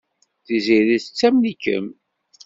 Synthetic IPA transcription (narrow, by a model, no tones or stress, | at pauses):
θiziɾiθt͡sːæmlikːə̰m